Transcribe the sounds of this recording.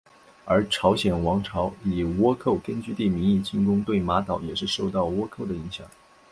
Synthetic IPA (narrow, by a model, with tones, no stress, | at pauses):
ə˞˧˥ʈ͡ʂʰɑ˧˥ʊɕjɛ˨˩nwɑ˧˥ŋʈ͡ʂʰɑ˧˥ʊi˨˩wɔ˥kʰo˥˩ʊkə˥nt͡ɕy˥˧t̪i˥˩mi˧˥ŋi˥˧t͡ɕi˥˩nkʊ˥ŋt̪we˥˩ɪma˧˥t̪ɑ˨˩˥ʊjɛ˨˩ʂɻ̩˥˧ʂo˥˧ʊt̪ɑ˥˩ʊwɔ˥kʰo˥˩ʊd̪ə˩i˧˥ŋɕjɑ̰˨˩˦ŋ